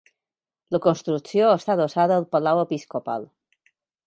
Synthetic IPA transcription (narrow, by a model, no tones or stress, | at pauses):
ləkonst̪ɾuksjoest̪aðosaðəːlˠpalawepiskopa̰l